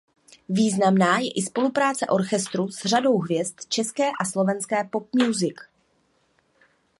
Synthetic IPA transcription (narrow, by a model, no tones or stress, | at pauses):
viːznamnaːjɛʔɪspo̞lupɾaːt͡sɛʔo̞ɾxɛst̪ɾuzr̝ado̞wɦvjɛst̪t͡ʃɛskɛːʔaslo̞vɛnskɛːpo̞p̚mjuzɪk